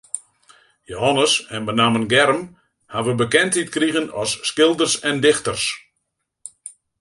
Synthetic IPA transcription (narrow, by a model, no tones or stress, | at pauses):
joɦɔnəsɛnbənaːmənɡɛrəm | haʋəbəkɛntit̚kriɣənɔsːkɪlˠdərsɛndɪxtərs